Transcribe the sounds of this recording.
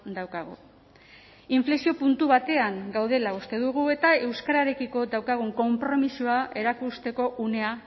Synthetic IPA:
d̪awkaɣ̞u | iɱfle̞sio̞punt̪uβat̪e̞aŋɡawðe̞laust̪e̞ðuɣ̞ue̞t̪ae̞wskaɾaɾe̞kiko̞d̪awkaɣ̞uŋko̞mpɾo̞misuae̞ɾakust̪e̞ko̞ʔune̞a

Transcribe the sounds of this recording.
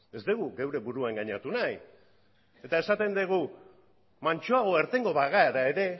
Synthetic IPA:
e̞zd̪eɣ̞uɣewɾe̞βuɾuaŋɡaɲat̪unaj | e̞t̪ae̞sat̪e̞nd̪eɣ̞u | mant͡ʃoaɣo̞e̞ɾt̪e̞ŋɡo̞βaɣaeɾae̞ɾe̞

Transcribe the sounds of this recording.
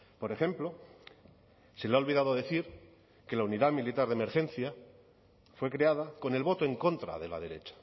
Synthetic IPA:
po̞ɾe̞xe̞mplo̞ | selao̞lβiðað̞oðe̞θiɾ | ke̞launiðamilit̪aɾðeme̞ɾxe̞nθja | fwe̞kɾe̞aðako̞ne̞lβo̞t̪oe̞ŋko̞nt̪ɾa̰ðe̞la̰ð̞e̞ɾe̞̰t͡ʃḁ

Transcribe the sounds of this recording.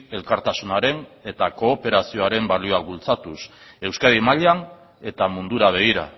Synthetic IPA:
e̞lkaɾt̪asunaɾe̞ne̞t̪ako̞ːpe̞ɾasio̞aɾe̞mbalioak̚bult͡sat̪use̞wskaðimaʎan | e̞t̪amund̪uɾaβ̞e̞ɣ̞iɾa̰

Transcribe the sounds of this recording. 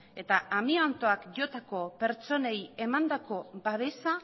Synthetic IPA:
e̞t̪aamiont̪o̞akʝo̞t̪ako̞pe̞ɾt͡so̞neje̞mand̪ako̞baβe̞sa

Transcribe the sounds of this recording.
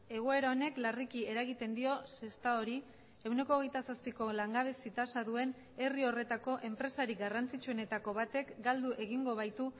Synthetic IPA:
e̞ɣ̞oe̞ɾao̞ne̞klarikie̞ɾaɣit̪e̞nd̪io̞se̞st̪ao̞ɾi | e̞wne̞ko̞ːɣ̞e̞jt̪asaspiko̞laŋɡaβ̞e̞sit̪asaðue̞n | e̞rio̞re̞t̪ako̞ʔe̞mpɾe̞saɾiɡarant͡sit͡ʃue̞ne̞t̪ako̞βat̪e̞kɡald̪uʔe̞ɣ̞iŋɡo̞β̞ajt̪u

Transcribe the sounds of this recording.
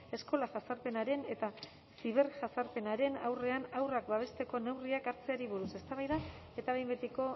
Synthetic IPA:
e̞sko̞laʝasaɾpe̞naɾe̞ne̞t̪a | siβ̞e̞ɾʝasaɾpe̞naɾe̞nawre̞anawrakbaβ̞e̞st̪e̞ko̞ne̞wriakaɾt͡seaɾiβ̞uɾuse̞st̪aβajða | e̞t̪aβejmbet̪iko̞

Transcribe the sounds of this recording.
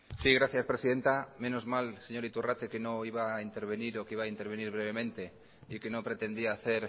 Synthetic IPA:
siɣ̞ɾaθjaspɾe̞siðe̞nt̪amẽ̞nozmalse̞ɲo̞ɾit̪urat̪ekeno̞iβaint̪e̞ɾβ̞e̞niɾo̞kiβaːint̪eɾβ̞e̞niɾβ̞ɾe̞β̞e̞mẽnt̪e̞ | ike̞no̞pɾe̞t̪e̞nd̪iaːθe̞ɾ

